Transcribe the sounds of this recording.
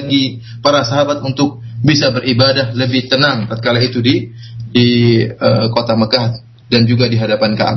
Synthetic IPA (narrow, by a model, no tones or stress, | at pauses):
ɡi | paɾasaɦabat̪unt̪ʊk̚bisabəɾibadahləbɪht̪ənaŋt̪at̪̚kalait̪udi | diəkot̪aməkah | dand͡ʒuɡadiɦadapankaʔa̰